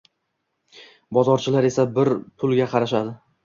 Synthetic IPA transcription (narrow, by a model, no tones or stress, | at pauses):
bɒzɒɾt͡ʃʰɪlaɾe̞sabɪɾpʰʊlˠɡʲaqʰɑɾaʃad̪ɪ